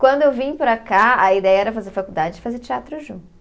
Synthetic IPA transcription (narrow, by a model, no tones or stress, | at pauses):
kwɐ̃nd̪ʊewvĩɲpɾakaɐid̪ɛjɐɛɾɐfazeɾfakuwd̪ad͡ʒɪd͡ʒɪfazeɾt͡ʃiat̪ɾʊʒũ